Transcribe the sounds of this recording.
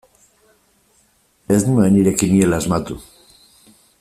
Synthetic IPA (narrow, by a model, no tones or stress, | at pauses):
eznuŋaβeniɾakinielazmat̪u